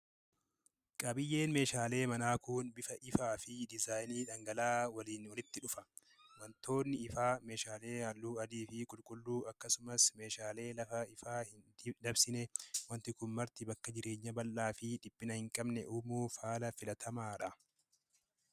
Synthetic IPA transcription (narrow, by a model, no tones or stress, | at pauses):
kʼɐbɪjːe̞ːnme̞ːʃaːle̞ːmɐnaːkuːnbɪfɐʔɪfaːfɪd̪ɪzaːjniːᶑɐŋɡɐlaːwɐliːnwɐlɪt̪ːɪᶑʊfɐ | mɐnt̪ʰo̞ːnːɪɪfaːme̞ːʃaːle̞ːhalːuːɐd̪iːfɪkʼʊlkʼʊlːuːɐkːɐsʊmɐsme̞ːʃaːle̞ːlɐfɐɪfaːhɪnd̪d̪ɐbsɪnɛwɐnt̪ɪkʊnmɐɾt̪ɪbɐkːɐd͡ʒɪɾe̞ːɲːɐbɐlːaːfɪᶑɪb̥ːɪnɐhɪŋkʼɐbnɛ̰ʔuːmuːfaːlɐfɪlɐt̪ʰɐmaːᶑɐ